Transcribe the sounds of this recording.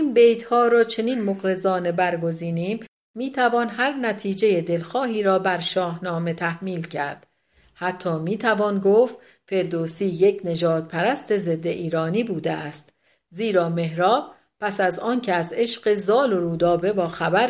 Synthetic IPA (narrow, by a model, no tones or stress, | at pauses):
inbe̞jt̪hɒːɾɒːt͡ʃʰe̞niːnmoɣɾe̞zɒːne̞bæɾɡo̞ziːniːmː | iːt̪ʰævɒːnɦæɾnæt̪ʰiːd͡ʒe̞je̞d̪e̞lxɒːhiːɾɒːbæɾʃɒːhnɒːme̞t̪ʰæhmiːlcʰæɾd̪̥ | hæt̪ʰːɒːmiːt̪ʰævɒːnɡoːft̪ | fe̞ɾd̪osiːjecʰne̞d͡ʒɒːd̪̚pʰæɾæst̪e̞ze̞d̪ːe̞ʔiːɾɒːniːbuːd̪eæst̪ | ziːɾɒːme̞ɦɾɒːb̥̚ | pʰæsæzɒːncʰeæze̞ʃɢe̞zɒːloɾuːd̪ɒːbe̞bɒːxæbæɾ